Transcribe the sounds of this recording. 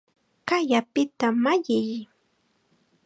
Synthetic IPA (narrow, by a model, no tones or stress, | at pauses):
kajapɪt̪amaʎɪj